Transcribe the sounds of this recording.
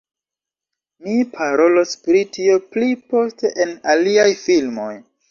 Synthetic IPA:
nipʰaɾo̞lo̞spɾitio̞plipo̞ste̞ʔenaliajfilmo̞̰j

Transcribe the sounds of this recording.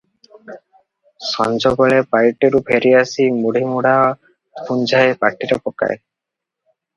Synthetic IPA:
sɔnd͡ʒɔɡɔɭepajʈeɾupʰeɾiasimuɽ̤ʱimuɽa | pʰund͡ʒʱaepaʈiɾepɔka̰e

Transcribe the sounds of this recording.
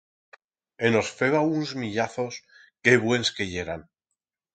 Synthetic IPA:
eno̞sfe̞βaunzmiʎaθo̞s | ke̞βwe̞nske̞ʝe̞ɾan

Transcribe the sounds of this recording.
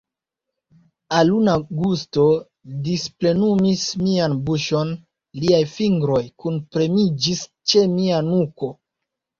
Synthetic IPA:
alunaɡusto̞ | disple̞numismianbuʃo̞n | liajfiŋɡɾo̞jkunpɾe̞mid͡ʒis | t͡ʃe̞mianuko̞

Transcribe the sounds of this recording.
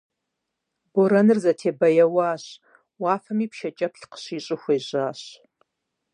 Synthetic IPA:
boɾɐnɨrzɐtʰeːbɐjɐwaːɕ | waːfɐmiːpʃɐt͡ʃʼɐpɬqə̥ɕiːɕʼɪxʷeːʑaːɕ

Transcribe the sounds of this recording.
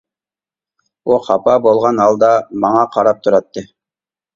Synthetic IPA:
uχɑpɑbolˠʁɑnɑlˠd̪ɑmɑŋɑqʰɑɾɑp̚t̪ʰuɾɑt̪ːɨ

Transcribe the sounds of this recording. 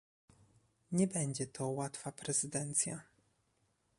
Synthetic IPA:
ɲɛbɛɲd͡ʑɛt̪ʰɔwat̪fapɾɛzɘd̪ɛnt̪sʲja̰

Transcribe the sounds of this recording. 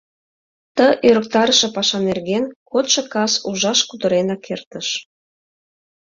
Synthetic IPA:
t̪əʔøɾək̚t̪ɑɾəʃĕpɑʃɑnerɣenkot̪ʃɤ̆kɑsuʒɑʃkud̪əɾenɑkʰert̪əʃ

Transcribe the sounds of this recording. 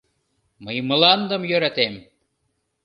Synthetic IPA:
məjmɤ̆lɑnd̪ə̆mjøɾæt̪em

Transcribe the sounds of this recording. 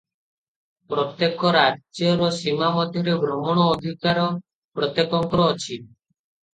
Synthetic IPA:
pɾɔt̪jekɔɾad͡ʒjɔɾɔsimamɔd̪ʱjɔɾebɾɔmɔɽ̃ɔːd̪ʱikaɾɔ | pɾɔt̪jekɔŋkɾɔːt͡ʃʰi

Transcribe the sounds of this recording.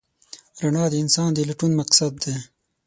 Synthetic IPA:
ɾaɳɑːd̪əɪnsɑːnd̪əlɐʈunmɐqsad̪ːe

